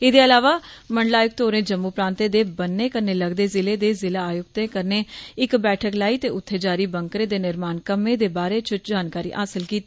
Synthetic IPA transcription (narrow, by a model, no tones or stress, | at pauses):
ɪd̪eːəlaːʋaːməɳɖlaːjʊk̚t̪oːɾẽːd͡ʒəmːuːpɾãːnt̪eːd̪eːbənːeːkəɾneːləɡd̪eːzɪleːd̪eːzɪlaːaːjʊkt̪ẽːkəɾneːɪkbɛːʈʰəklaːiːt̪eːʊt̪ʰːeːd͡ʒaːɾiːbəŋkɾeːd̪eːnɪɾmaːnkəmːẽːd̪eːbaːɾeːt͡ʃʊt͡ʃd͡ʒaːnkaːɾḭːʔaːsɪlkiːt̪iː